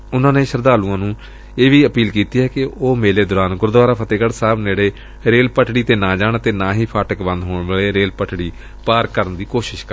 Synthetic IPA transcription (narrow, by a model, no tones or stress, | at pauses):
ʊnãːneːʃəɾd̪aːlũːãːnũː | eːʋiːəpiːlkiːt̪iːɦɛːkɪoːmeːleːd̪ʊːɾaːnɡʊɾd̪ʋaːɾaːpʰət̪eːkəɽsaːbneːɽeː | ɾeːlpəʈɽiːt̪eːnãːd͡ʒaːɳt̪eːnãːɦiːpʰaːʈəkbə̃nd̪ɦoːɳʋaːleːɾeːlpəʈʰɽiː | paːɾkəɾənd̪iːkoːʃɪʃkəɾ